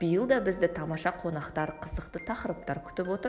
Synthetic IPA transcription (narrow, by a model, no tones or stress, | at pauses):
b̥ijəlˠd̪ɑbɪzd̪ɪt̪ʰɑmɑʃɑqʰo̞nɑqt̪ɑɾqʰəzəqt̪ət̪ʰɑqəɾəp̚t̪ɑɾkʲʰʏ̥t̪ɪpwo̞t̪əɾ